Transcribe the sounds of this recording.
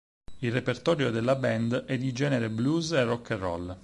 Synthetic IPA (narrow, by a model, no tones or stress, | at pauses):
ilrːepert̪ɔːɾjod̪elːabɛnd̪ɛd̪id͡ʒɛːneɾebluːzerːɔkːerɔ̰l